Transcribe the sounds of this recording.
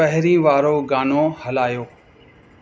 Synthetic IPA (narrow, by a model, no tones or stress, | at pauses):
ɐɦɪɾĩːʋaːɾoɡaːnohɐlaːjoː